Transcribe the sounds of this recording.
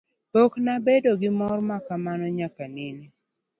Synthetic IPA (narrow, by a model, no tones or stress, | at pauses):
poknabedoɡɪmɔrmakamanɔɲakanɪni